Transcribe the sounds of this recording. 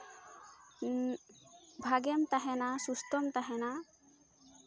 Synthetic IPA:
bʱaɡɛmt̪aɦɛnasust̪ɔmt̪aɦɛna

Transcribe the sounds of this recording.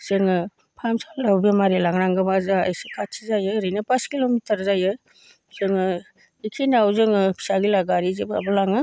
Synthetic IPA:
z̥eŋɯ | pʰamsalɾawbemaɾelaŋɾaŋɡɯbaza̰jsɯkʰatʰizajɯɾijnapaskilomitəɾzajɯ | z̥eŋɯ | ikʰinawzɯŋɯpʰi̥saɡilaɡaɾizeba̰bɯlaŋɯ

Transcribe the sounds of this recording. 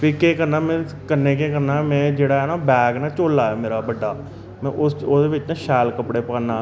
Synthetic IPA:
piːkeːkəɾnaːmɛ̃ː | kənːeːk̬eːkəɾnaːmɛ̃ːd͡ʒeːɽaːɦɛːnaːbɛːɡnaːt͡ʃoːlaːɛːmeːɾaːbəɖːaː | mɛ̃ːʔʊoːd̪eːʋɪt͡ʃnãːʃɛːlkəpɽeːpãːnaː

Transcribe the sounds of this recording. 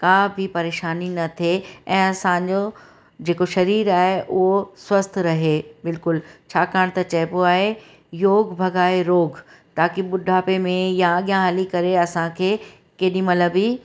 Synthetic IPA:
kãːbʱipɐɾeːʃaːninɐt̪ʰeɛ̃ːɐsãd͡ʑo | d͡ʑeːkoʃɐɾiːɾaːɦeʔʊɦoswɐst̪ʰɾɐɦebɪlkʊlt͡ɕʰaːkaːɽ̃t̪ɐt͡ɕɐɦɪpoaːɦe | joːɡbʱɐɡʱaːeɾoːɡ | t̪aːkiɓʊɖʱaːpemẽjãɠijãɦɐlikɐɾeɐsãkʰeː | keːɗĩmɐləbi

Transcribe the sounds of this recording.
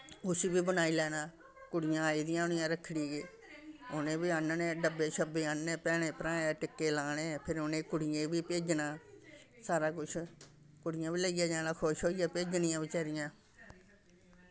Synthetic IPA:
ʊsiːbiːbənaːiːlɛːnãː | kʊɽɪjãːiːd̪ɪjãːʊnɪjãːɾəkʰːɽiːɡeː | ʊnẽːbiːənnẽːɖəbeːʃʰəbeːannẽːpɛːɽ̃eːpɾãːẽʈɪkːeːlaːɽ̃ẽːpʰɪɾʊnẽːkʊɽɪjẽːbiːpeːd͡ʒnaː | saːɾaːk̬ʊt͡ʃʰ | kʊɽɪjãːʋiːləɪjaːd͡ʒaːnãːkʰoʃɦoːijaːpeːd͡ʒnɪãːʋit͡ʃəːɾɪjãː

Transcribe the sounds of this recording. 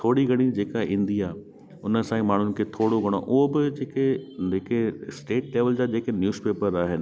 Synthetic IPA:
t̪ʰoːɽiɡɐɽ̃id͡ʑeːkaĩnd̪iaː | ʊnəsãːĩmaːɳ̤ʊnɪ̆kʰeːt̪ʰoːɽoɡʱɐɽ̃o̰ʔʊɦobɪd͡ʑeːked͡ʑeːkesʈeːʈleːʋəld͡ʑaːd͡ʑeːkenjuːzpeːpəɾaːɦɪnɪ̆

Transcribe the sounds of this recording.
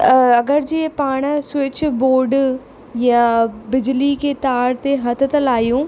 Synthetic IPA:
ɐɡəɾd͡ʑiːpaːɽ̃swɪt͡ɕboːɖ | jãbɪd͡ʑliket̪aːɾt̪eɦɐt̪ʰt̪əlaːjũː

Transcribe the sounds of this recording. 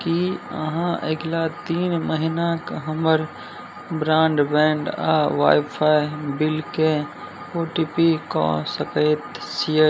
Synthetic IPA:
kiə̰ɦãʔeɡlat̪iːnməɦɪnakɦɐməɾ | bɾãːɳɖbɛ̃ːɳɖa̰ːʋa̰ːjpʰaːibɪlke | oːʈiːpikõ̰səkəɪt̪si

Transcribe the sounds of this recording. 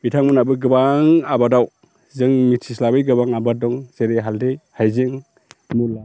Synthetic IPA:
bitʰaŋmɯnabɯɡɯbaŋabadaw | zɯŋmitʰislabɯjɡɯbaŋabadɔŋz̥eɾeɦaldejhajzeŋ | mula

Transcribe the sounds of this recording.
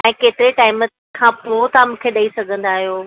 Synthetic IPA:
ɛ̃ːkeːt̪ɪɾeʈaːɪm | kʰãːpʊɾoːt̪amũːkʰeɗɐisɐɡʱə̃nd̪aːɦijoː

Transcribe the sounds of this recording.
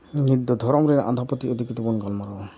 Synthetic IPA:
nid̪ɔd̪ʱɔɾɔmɾenʔa̰nd̪ʱapɔt̪iod̪ʱikit̪ɔpɔnɡɔlmaɾɔɔ

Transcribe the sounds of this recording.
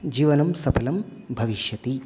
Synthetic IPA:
d͡ʒiːʋɐnɐmsɐpʰɐlɐmbʱɐʋiʃjɐt̪i

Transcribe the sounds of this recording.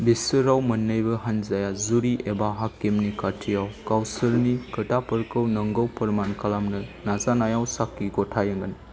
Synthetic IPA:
bisɯɾawmɐnːɯjbɐɦanzajazuɾiebaɦakːemnikatʰijawkawsɯɾnikɐtapəɾkɯwnɐŋɡəwpɐɾmankalamnɯnazanajawsakːiɡɔtʰajɐŋɡɯn

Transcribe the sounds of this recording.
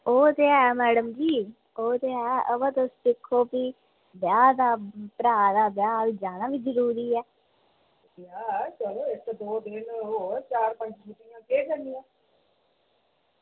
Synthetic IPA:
oːt̪eːɛːmɛːɽəmd͡ʒiː | oːt̪eːɛːʔəbãːt̪estɪkʰːoːpiː | bjaːd̪aːpɾaːd̪aːbjaːʋiːd͡ʒaːnaːʋiːd͡ʒəɾuːɾiːɛː | jaːt͡ʃəloːɪt̪d̪oːd̪ɪnoːt͡ʃaːɾpə̃ɲd͡ʒd͡ʒupɪjãːkeːkəɾnɪjãː

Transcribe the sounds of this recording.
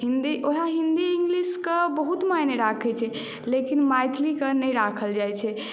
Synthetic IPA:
ɦind̪iʔoɦaɦind̪iːŋɡliskebəɦut̪majneɾakʰɛt͡ʃʰɛ | lekinmajt̪ʰlikenɛjɾakʰəld͡ʒajt͡ʃʰɛ

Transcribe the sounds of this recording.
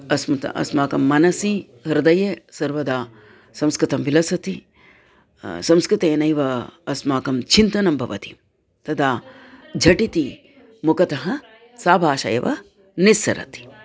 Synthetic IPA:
ɐsmɐt̪ɐ̰ʔɐ̰smaːkɐmːɐnɐsi | ɦɐɾd̪ɐjesɐɾʋɐd̪aː | sɐmskɾɪt̪ɐmbilɐsɐt̪i | sɐmskɾɪt̪eːnɐjʋɐɐsmaːkɐmt͡ʃʰint̪ɐnɐmbʱɐʋɐt̪i̥ | t̪ɐd̪aː | d͡ʒʱɐʈit̪i | mukɐt̪ɐɦɐ | saːbʱaːʃɐ̰jɐ̰ʋɐ̰ | nisɐ̰ɾɐ̰t̪i̥

